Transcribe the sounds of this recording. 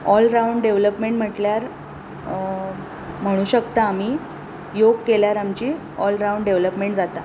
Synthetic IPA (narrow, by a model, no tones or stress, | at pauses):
ɔlɾauɳɖɖeʋləpmeɳʈm̤əʈljaɾ | m̤əɽ̃uːɕəkt̪aːm̤iː | joɡ̚keljaɾamt͡ɕiː | ɔlɾauɳɖɖeʋləpmeɳʈd͡zat̪a̰